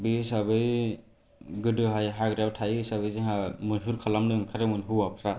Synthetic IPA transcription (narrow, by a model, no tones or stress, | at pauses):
bisabɯzi | ɡɯdɯɦajɦaɡɾawtʰajsabɯziɦamɯsuɾkʰalamnɯɯŋkʰaɾɯmɯnɦɯapʰɾa